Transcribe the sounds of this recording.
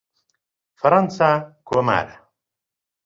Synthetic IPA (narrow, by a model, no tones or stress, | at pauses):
fɐɾɐnsakʰoːma̰ːɾa